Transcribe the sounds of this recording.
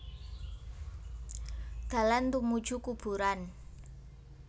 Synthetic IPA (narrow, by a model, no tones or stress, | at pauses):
d̪̥a̤lant̪umu̥d͡ʒ̥ukub̥ṳɾan